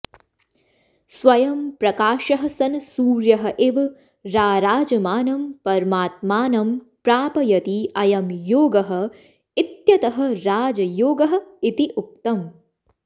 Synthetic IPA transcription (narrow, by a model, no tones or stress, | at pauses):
sʋɐjɐmpɾɐkaːʃɐɦɐ̆sɐnsuːɾjɐɦɐ̆ʔiʋ | ɾaːɾaːd͡ʒɐmaːnɐmpɐɾmaːt̪̚maːnɐm | pɾaːpɐjɐt̪iɐjɐmjoːɡɐɦɐ̆ | it̪jɐt̪ɐɦɐ̆ɾaːd͡ʒɐjoːɡɐɦɐ̆it̪iʔuk̚t̪ɐm